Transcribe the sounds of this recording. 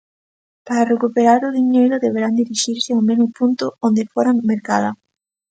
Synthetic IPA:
paɾarekupeɾaɾʊðiɲejɾʊðeβeɾand̪iɾiʃiɾsɪawmenʊpunt̪ʊond̪efoɾameɾkaða

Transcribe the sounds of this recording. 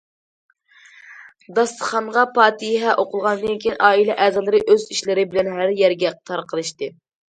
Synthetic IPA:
d̪ɑst̪ə̥χɑɴʁɑpɑːt̪ʰɨjɦɛʔoqʊlˠʁɑnɨd̪ɨnkʲʰiinʔɑːilɛʔɛːzɑlˠɨɾɨʔøziʃlɪɾɪbɪlɛnɦæɾjɛɾɡʲɛqʰə̥t̪ʰɑɾqʰəlˠɨʃt̪ɨ

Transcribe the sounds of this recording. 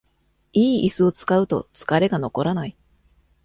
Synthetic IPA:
iːisɨo̞t͡sɨ̥kaɯ̟t̪o̞̰t͡sɨ̥kaɾe̞ɡano̞ko̞ɾanai

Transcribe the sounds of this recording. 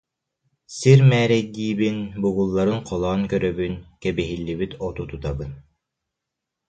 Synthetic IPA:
siɾmæːɾɛɡiːβinbuɣulˠːɑɾɯnqʰɔlˠɑːŋkœɾœβynkɛbɛɦilːiβit̪ɔt̪ut̪ut̪ɑβɯn

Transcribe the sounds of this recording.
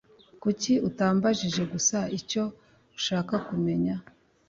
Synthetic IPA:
kuciutaːmbaʒiʒe̞ɡusaico̞ | uʃaːkakume̞ɲa

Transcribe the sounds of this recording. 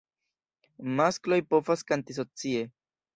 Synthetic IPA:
masklo̞jpo̞faskantis̬o̞t͡sie̞

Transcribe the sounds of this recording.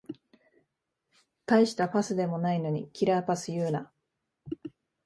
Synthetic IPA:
t̪aiɕi̥t̪apasɨd̪e̞mo̞naino̞ɲ̟ḭkʲiɾaːpasɨjɯːna

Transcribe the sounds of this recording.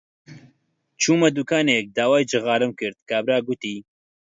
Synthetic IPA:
t͡ʃʰuːmɐd̪ukaːnek̚d̪aːwaːjd͡ʒɨɣaːɾɨmkɨɾd̪̚kʰaːbɾaːɡʊt̪iː

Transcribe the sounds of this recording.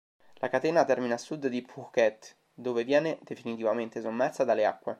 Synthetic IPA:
lʔakat̪ɛːnat̪ɛrminasːud̪d̪ipukɛt̪ː | d̪oːvevjɛːned̪efinit̪ivament̪esomːɛrt̪sad̪alːea̰kːwe

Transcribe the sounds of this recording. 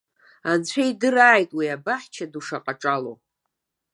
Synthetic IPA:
ant͡ɕʷʰejdɨraːjtʼwiabaħʲt͡ʃʰaduʂaqʼaʈ͡ʂʼalo̰

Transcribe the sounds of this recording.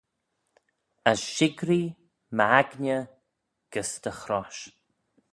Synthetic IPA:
asʃɪɡɾi | maɡnʲə | ɡ̥əsd̪əxɾɔʃ

